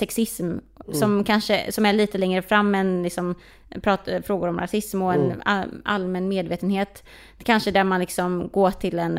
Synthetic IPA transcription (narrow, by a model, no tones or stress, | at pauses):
sɛksɪsm | sɔmkʰanʂəsɔmæɭiːt̪əlɛŋɾəfɾamːɛnlɪksɔm | pʰɾɑːt̪fɾoːɡʊɾɔmɾa̰sɪsmɔɛna̰a̰lmɛnmeːd̪veːt̪ənheːt̪ | kʰanʂəd̪æɾmanlɪksɔmɡoːʈʰɪlɛn